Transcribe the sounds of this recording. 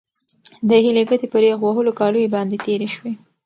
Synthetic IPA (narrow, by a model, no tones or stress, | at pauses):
d̪əɦileɡət̪epəɾjeɣwaɦəlokɑlujebɑnd̪et̪eɾeʃwe